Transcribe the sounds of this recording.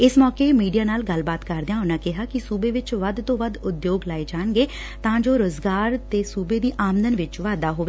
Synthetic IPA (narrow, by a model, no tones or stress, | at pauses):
ɪsmɔːkeːmiːɖijaːnaːlɡəlbaːt̪kəɾd̪ejaːʊnãːkɪɦaːkɪsuːbeːʋɪt͡ʃʋəd̪t̪õːʋəd̪ʊd̪joːɡlaːed͡ʒaːnɡeː | t̪ãːd͡ʒoːɾoːzɡaːɾt̪eːsuːbeːd̪iːʔaːmd̪ənʋɪt͡ʃʋaːd̪aːɦoːʋeː